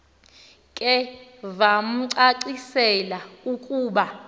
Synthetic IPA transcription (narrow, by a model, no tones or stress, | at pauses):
kʼɛvam̩ǀaǀisɛlaukʼuːɓa